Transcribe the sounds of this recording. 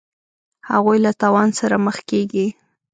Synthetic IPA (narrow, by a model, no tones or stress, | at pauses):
haɣujlat̪ɑwɑnsaɾaməxkeɡi